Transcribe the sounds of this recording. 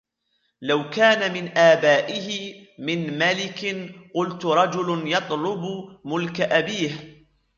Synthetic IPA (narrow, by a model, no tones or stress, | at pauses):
lawkaːnamɪnʔaːbaːʔɪhɪmɪnmalɪkɪnqʊlt̪ʊɾˤɑd͡ʒʊlnjɑt̪ˤlʊbmʊlkaʔabiːh